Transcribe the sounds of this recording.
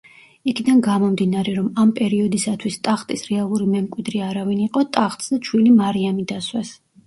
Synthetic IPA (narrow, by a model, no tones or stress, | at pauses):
ikʰid̪anɡamɔmd̪inaɾɛɾɔmampʼɛɾiɔd̪isat̪ʰwist̪ʼaχt̪ʼisɾɛalˠuɾimɛmkʼwid̪ɾiaɾaviniqʼɔt̪ʼaχt̪ʼsd̪at͡ʃʰwilimaɾiamid̪aswɛs